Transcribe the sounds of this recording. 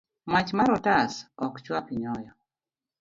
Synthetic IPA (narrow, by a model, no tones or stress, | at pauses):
mat͡ʃmaɾɔtasɔkt͡ʃwapiɲɔjɔ